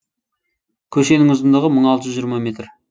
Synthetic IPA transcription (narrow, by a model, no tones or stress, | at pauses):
kʲʰɵʃe̞nɪŋʊzənd̪ɑʁəməɴɑlˠt̪əʒzʒijɾmame̞t̪r